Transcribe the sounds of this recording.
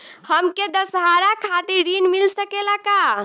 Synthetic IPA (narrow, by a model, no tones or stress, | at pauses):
həmked̪əsɦaɾakʰat̪iɾɾinmilsəkelaka